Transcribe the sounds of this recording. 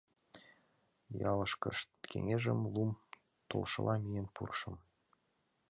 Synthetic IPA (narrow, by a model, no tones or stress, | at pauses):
jɑləʃkəʃt̪kʰḛŋeʒəmlum | t̪olʃə̰lʔɑmijenpṵrʃəm